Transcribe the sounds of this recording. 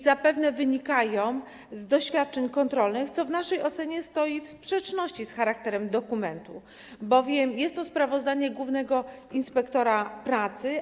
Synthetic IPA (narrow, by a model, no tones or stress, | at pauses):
zapɛvnɛvɘɲikajɔ̃w̃ | zd̪ɔɕfʲjat̪̚t͡ʂɛɲkɔnt̪ɾɔlnɘxt̪sɔvnaʂɛjɔt̪sɛɲɛst̪ɔjifspʂɛt͡ʂnɔɕt͡ɕisxaɾakt̪ɛɾɛmd̪ɔkumɛnt̪u | bɔvʲjɛmjɛst̪ːɔspɾavɔzd̪aɲɛɡwuvnɛɡɔinspɛkt̪ɔɾapɾat̪sɘ